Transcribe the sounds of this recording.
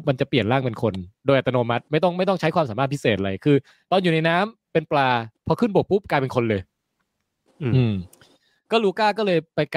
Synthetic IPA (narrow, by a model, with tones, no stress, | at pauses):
p̚ma˧nt͡ɕa˨˩pli˨˩ənɾaː˥˩ŋpe˧nkʰo˧ndoː˧jʔa˨˩t̪ːa˧noː˧ma˦˥t̪̚ma˥˩jt̪̬ɔ˥˩ŋma˥˩jt̪ɔ˥˩ŋt͡ɕʰa˦˥jkwaː˧msaː˨˦maː˥˩pʰi˦˥seː˨˩t̪̚a˧a˧jkʰɯː˧ | t̪ɔː˧nju˨˩na˧jnaː˦˥mpe˧nplaː˧pʰɔ˧kʰɯ˥˩nbo˨˩k̚pu˦˥˩p̚klaː˧jpe˧nkʰo˧nlɤː˧j | ʔɯː˧m | kɔː˥˩luː˧kaː˥˩kɔː˥˩lɤː˧jpa˧jk